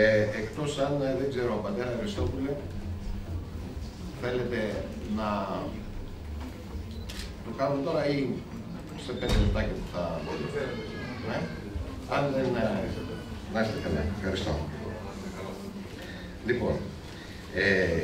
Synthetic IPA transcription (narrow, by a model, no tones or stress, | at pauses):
eekt̪o̞sɐnðe̞ɡze̞ɾopɐt̪eɾɐɐɾist̪o̞pule | θe̞le̞t̪e̞ | nɐ | t̪okɐnumet̪o̞ɾɐi | sepe̞nd̪elep̚t̪ɐcɐpu̥θɐbo̞ɾit̪e | ne | ɐnðeniset̪enɐiset̪ekɐlɐ̰fxɐɾist̪o̞̰ | kl | lipo̞n | e